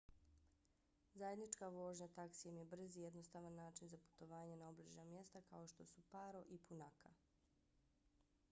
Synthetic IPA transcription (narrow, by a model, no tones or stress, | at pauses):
zaje̞d̪nit͡ʃkaʋo̞ːʒɲat̪aksijemje̞br̩zije̞d̪no̞st̪aʋanːaːt͡ʃinzapu̥t̪o̞ʋaːɲenaobliʒnamje̞st̪akao̞ʃt̪o̞supaːɾo̞ʔipunakʰa